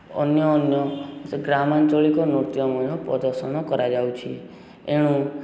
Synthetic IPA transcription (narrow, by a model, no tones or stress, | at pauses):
ɔ̰njɔːnjɔɡɾamant͡ʃɔɭikonɾut̪jɔmɔj̃õpɾɔ̰d̪əɾsəñɔkəɾad͡ʒawt͡ʃʰi | eɽ̃ũ